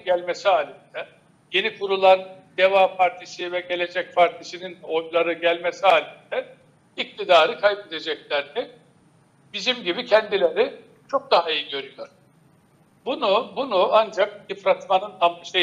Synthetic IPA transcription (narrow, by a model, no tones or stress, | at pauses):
ɟælʲmesiɦaːlʲind̪̥ɛ | je̞nikʰuɾulˠand̪e̞vaːpʰaɾt̪ʰiʃivɛɟe̞lʲe̞d͡ʒɛcpʰaɾt̪ʰiʃinino̞jlˠaɾɯɟælʲmesiaːlʲind̪ɛ | ic̚t̪ʰid̪aːɾɯkʰajbed̪e̞d͡ʒɛclʲæɾnɪ | b̥izimɟibicʰɛnd̪ilʲe̞ɾɪ | t͡ʃʰo̞k̚d̪aɦaijiɟø̞ɾyjo̞ɾ̥ | bunubunʊand͡ʒak̚ifɾat̪manɯnamʃe